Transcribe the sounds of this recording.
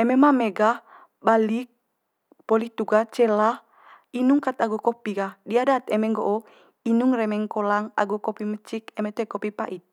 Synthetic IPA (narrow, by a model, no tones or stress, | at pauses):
ɛmɛmameɡa | balik̚ | pɔlit̪uɡat͡ʃɛla | inuŋkat̪aɡukɔpiɡadiadat̪ɛmɛŋɡoʔo | inuŋrɛmɛŋkolaŋa̰ɡukopimət͡ʃik̚ɛmɛt̪uɛkɔpipaʔit̪̚